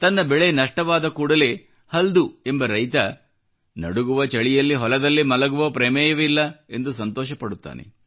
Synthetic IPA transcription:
t̪ɐnːɐbɛɭenɐʂʈɐʋaːd̪ɐkuːɽɐle̞ː | hɐld̪ue̞mbɐɾɐjt̪ɐ | nɐ̰ɽuɡuʋɐt͡ʃɐɭijɐlːiɦɔlɐd̪ɐlːimɐlɐɡuʋɐpɾɛːmɛːjɐʋilːɐe̞nd̪usɐnt̪ɔːʃɐpɐɽut̪ːa̰ːnḛ

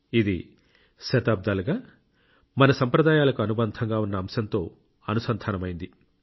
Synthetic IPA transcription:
id̪ḭ | sɐt̪aːb̚d̪aːluɡaː | mɐnɐsɐmpɾɐd̪aːjaːlɐkuɐnubɐnd̪ʰʱɐŋɡaːunːɐːmsɐnt̪o̞ː | ɐnusɐnt̪ʰaːnɐmɐjind̪i

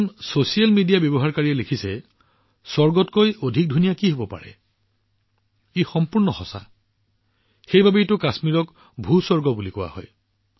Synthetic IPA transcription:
nsosijalmidijabjɔbɔɦaɹkaɹiɛlekʰisɛ | sɔɹɡɔtkojodʱik̚dʱunijakiɦobɔpa̰ɹɛ̰ | ixɔmpuɹnɔxɔsa̰ | xejbʱabetʊkasmiɹɔk | bʱusɔɹɡɔbulikɔwa̰hɔ̰j

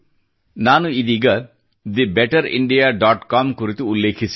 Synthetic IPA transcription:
nanuid̪iɡɐ | d̪ibɛʈɐɾḭɳɖijaɖɔʈkɔmkoɾit̪eulːekʰisʰ

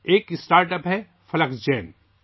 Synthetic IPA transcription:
eːkɪsʈaːɾʈəpɦɛ | fʰɐləksd͡ʒɛːn

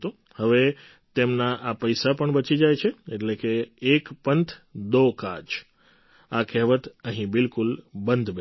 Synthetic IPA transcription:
t̪o | həʋe | t̪emnaʔapəjsapəɳbət͡ʃid͡ʒajt͡ʃʰeeʈlekeːkpənt̪ʰd̪okad͡ʒ | akʰɛɦʋət̪əɦĩbɪlkulbənd̪ʱb

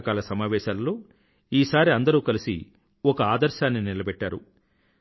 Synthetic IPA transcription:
kaːlɐsɐmaːʋɛːʃaːlloː | iːsaːɾiɐnd̪ɐɾuːkɐlisḭ | ɔkɐaːd̪ɐɾʃaːnːinilɐbɛʈːaːɾṵ

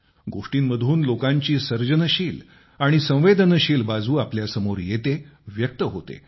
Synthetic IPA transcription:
ɡoʂʈiːnməd̪ʱuːnlokãɲt͡ɕiːsəɾd͡ʑənəɕiːl | aɽ̃isə̃w̃ʋed̪ʱənəɕiːlbad͡zʱuːapljasəmoɾjet̪eʋjək̚t̪əɦot̪ḛ

